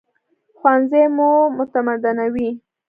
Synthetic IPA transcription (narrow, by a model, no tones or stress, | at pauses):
xwanzemumʊt̪amad̪anawi